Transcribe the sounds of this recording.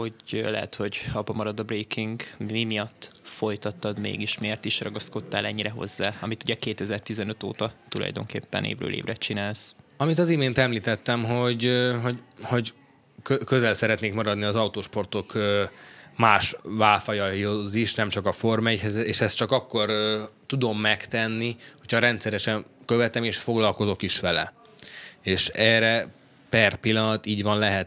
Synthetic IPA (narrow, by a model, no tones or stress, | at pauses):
ho̞ɟlɛ̰ɦɛ̰t̪ho̞ɟɒpɒmɒɾɒd̪ɒbreːkiŋɡmimijɒt̪ːfo̞jt̪ɒt̪ːɒd̪mḛːɡiʃmeːrt̪iʃrɒɡɒsko̞t̪ːaːlɛɲːiɾɛɦo̞̰zːaːɒmit̪uɟɛkeːt̪ɛzɛrt̪izɛnøt̪o̰ːt̪ɒt̪ulɒ̰jd̪o̞̰ŋkḛːpːɛ̰nʔḛːvrø̰ːlḛːvrɛt͡ʃinaːlsɒmit̪ɒzimeːnt̪ɛmliːt̪ɛt̪ːɛmɦo̞ɟɦo̞ɟho̞ɟ | køkøzɛlsɛɾɛt̪neːkmɒɾɒd̪niɒzɒwt̪oːʃpo̞rt̪o̞kømaːʃvaːlfɒjɒjoziʃnɛmt͡ʃɒkɒfo̞rmɛchɛzeːʃɛstt͡ʃɒkɒkːo̞rt̪ud̪omːɛkt̪ɛnːiho̞cʰhɒɾɛnt̪sɛɾɛʃɛnkøvɛt̪ɛmeːʃfo̞ɡlɒlko̞zo̞kiʃʋɛlɛ̰ | eːʃɛːrɛ | pɛrpilːɒnɒt̪iːɟʋɒnlɛɦɛt̪